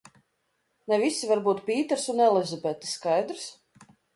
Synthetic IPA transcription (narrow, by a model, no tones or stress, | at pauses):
nɛvisːivaɾbuːt̪pʲiːt̪ɾsunɛlˠɛzɔbɛt̪ʲi̥sskajd̪ɾs